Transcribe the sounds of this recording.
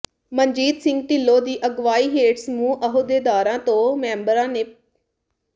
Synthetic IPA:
məɲd͡ʒiːd̪sɪŋɡ̚ʈɪlːoːd̪iːʔəɡʋaːiːɦeːʈsmũːʔəɦoːd̪eːd̪aːɾãːt̪õːmɛ̃ːmbəɾãːneː

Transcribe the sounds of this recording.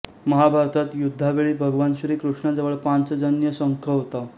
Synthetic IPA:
məɦabʱaɾt̪ʰat̪jud̪ʱːaʋeɭiːbʱəɡʋanɕɾiːkɾuʂɳad͡zəʋəɭpant͡səd͡zənjəsəŋkʰəɦot̪a

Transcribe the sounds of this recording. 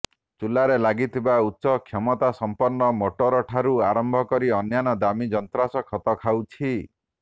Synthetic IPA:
t͡ʃulaɾelaɡit̪ʰibautːsɔkʰɔmɔt̪asɔmpɔɾnːɔmoʈoɾɔʈʰaɾuaɾɔmbʱɔkɔɾiɔnjanɔd̪amid͡ʒɔnt̪ɾasɔkʰɔt̪ɔkʰawt͡ʃʰi

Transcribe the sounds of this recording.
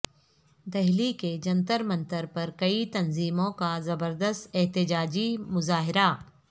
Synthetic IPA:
d̪ɛɦliked͡ʒɐ̃nt̪əɾmɐ̃nt̪əɾpɐɾkɐit̪ɐnziːmõkazɐbəɾd̪əst̪ɛɦt̪ɪd͡ʒaːd͡ʒimʊzaːɦɪɾa

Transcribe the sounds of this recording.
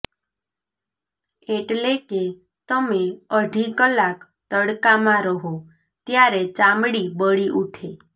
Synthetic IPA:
eʈleke | t̪əmeəɖʱikəlak | t̪əɽkamãɾəɦo | t̪jaɾet͡ʃamɽibəɽiʔuʈʰe

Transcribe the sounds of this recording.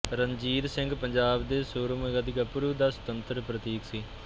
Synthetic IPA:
ɾənd͡ʒiːd̪sɪ̃ŋɡpəɲd͡ʒaːbd̪eːsoːɾməɡəd̪ɪkapʊɾuːd̪aːsə̥t̪ənt̪ɾəpɾət̪iːksiː

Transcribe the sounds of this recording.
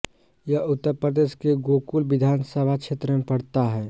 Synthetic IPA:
jɐʊt̪ːəɾpɾəd̪eːʃkeɡoːkulʋɪd̪ʱaːnsəbʱakʃʰeːt̪ɾəmẽpɐɽt̪aɦɛː

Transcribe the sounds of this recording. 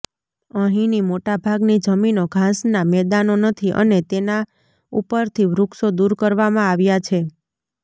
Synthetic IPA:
əɦĩnimoʈabʱaɡnid͡ʒəminoɡʱãsnamɛd̪anonət̪ʰiʔə̰net̪ena | upəɾt̪ʰiʋɾuksod̪uɾkəɾʋamãaʋjat͡ʃʰe

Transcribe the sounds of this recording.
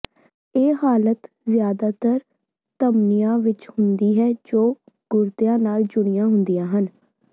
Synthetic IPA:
eːɦaːlət̪ | zjaːd̪aːt̪əɾ | t̪əmnijãːʋɪt͡ʃhʊnd̪iːɦɛːd͡ʒoː | ɡ̥ʊɾt̪ɪjãːnaːld͡ʒʊɽ̃ɪjãːɦʊnd̪ijãːɦən

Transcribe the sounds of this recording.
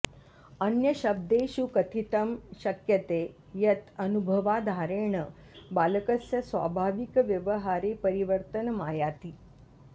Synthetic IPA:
ənjəɕəb̚d̪eɕukət̪ʰit̪əmɕəkjət̪e | jɐt̪ənubʱəʋad̪ʱaɾeɳə | baləkəsjəsʋa̰bʱaʋikʋjəʋəɦaɾepəɾiʋəɾt̪ənmajat̪iː

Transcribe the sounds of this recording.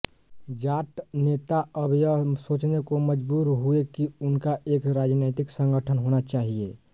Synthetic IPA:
d͡ʒaʈnet̪aəbʱjəsot͡ʃnekoməd͡ʒbuːɾɦuekiunkaʔeːkɾad͡ʒnet̪iksə̃ŋɡəʈʰənɦonat͡ʃaɦie

